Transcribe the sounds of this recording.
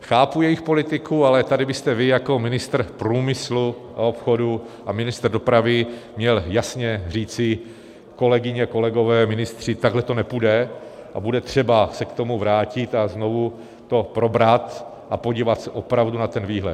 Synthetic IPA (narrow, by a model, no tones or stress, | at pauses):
xaːpujɛjɪxpo̞lɪt̪ɪkualɛt̪adɪbɪst̪ɛvɪjako̞mɪnɪst̪r̩pɾuːmɪslu | ʔao̞pxo̞du | ʔamɪnɪst̪r̩do̞pɾavɪmɲɛljasɲɛr̝iːt͡sɪ | ko̞lɛɡɪɲɛko̞lɛɡo̞vɛːmɪnɪst̪r̝̥ɪt̪aɡlɛt̪o̞nɛpudɛ | ʔabudɛt̪r̝̥ɛbasɛkt̪o̞muvɾaːcɪt̪azno̞vu | t̪o̞pɾo̞bɾat̪ | ʔapo̞ɟiːvat̪sɛʔo̞pɾavdunat̪ɛnviːɦlɛ̰t̪